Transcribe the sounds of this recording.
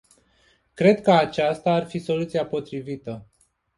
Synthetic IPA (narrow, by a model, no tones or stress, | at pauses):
kɾe̞d̪kəat͡ʃast̪aːrfiso̞lut̪siapo̞t̪ɾivit̪ə